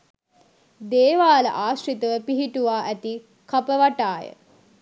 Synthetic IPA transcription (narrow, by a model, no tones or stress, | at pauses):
d̪eːʋaːlə̰ʔaːʃrit̪əʋəpiɦiʈuʋaːʔæt̪i | kapəʋaʈaːjə̰